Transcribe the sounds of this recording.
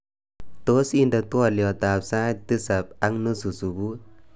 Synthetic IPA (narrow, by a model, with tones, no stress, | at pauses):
t̪o˦si˦nda˨tu˦ɔ˧ljɔ˨t̪a˨psa˦t̪ɨ˦sa˨p̚a˦ŋnɨ˦su˨su˨bu˦